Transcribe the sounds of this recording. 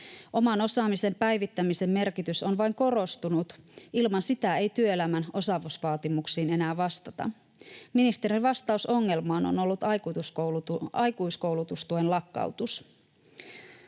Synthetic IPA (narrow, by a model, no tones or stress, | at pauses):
ʔo̞mɑno̞sɑːmise̞mpæjʋit̪ːæmise̞mːe̞rkit̪yso̞nʋɑjŋko̞ro̞st̪unut̪ilmɑnsit̪æe̞jt̪yøelæmæno̞sɑʋusʋɑːt̪imuksiːne̞næːʋɑst̪ɑt̪ɑ̰ | minist̪e̞ɾiʋɑst̪ɑuso̞ŋːe̞lmɑːno̰no̞lːut̪ɑjkut̪usouɑjkuisko̞wlut̪ust̪uenlɑkːɑ̰uwt̪us